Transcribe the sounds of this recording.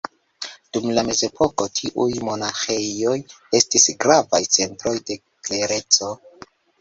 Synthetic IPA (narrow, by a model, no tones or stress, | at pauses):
d̥umlame̞ze̞pʰo̞ko̞tʰiʔujmo̞naxeo̞j | e̞stisɡɾavajt͡se̞ntɾo̞jde̞ | kle̞ɾe̞t͡so̞